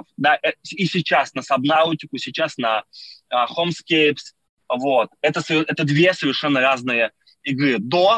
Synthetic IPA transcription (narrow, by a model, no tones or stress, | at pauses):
fd̪aʔɛisʲɪt͡ɕːasnəsɐbnautʲɪkʊsʲɪt͡ɕːasnɐ | xomskʲejps | vo̞t̪ɛt̪əsəvʲɪrɛt̪əd̪vʲe̞səvʲɪrʂɛnːəɾaznɨjə | ɪɡɾɨd̪o